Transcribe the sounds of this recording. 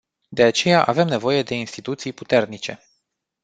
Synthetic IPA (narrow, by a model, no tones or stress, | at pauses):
d̪e̞at͡ʃe̞jaʔave̞mne̞vo̞je̞d̪e̞inst̪it̪ut̪sijput̪e̞rnit͡ʃe̞